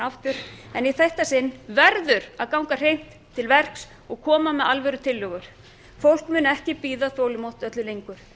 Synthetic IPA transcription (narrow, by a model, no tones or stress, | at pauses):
aft̪ʏɾ̥ɛniθɛht̪asɪnːvɛɾðʏɾaðkawŋkar̥ejn̥t̪ʰːɪlvɛr̥ks | ɔɣkʰɔːmamɛðalvɛɾʏt̪ʰɪlːʏɣʏɾ̥ | fowl̥kmʏːnɛhcɪpiːðaθoːwlɪmowt̪œt̪lʏlejŋkʏɾ̥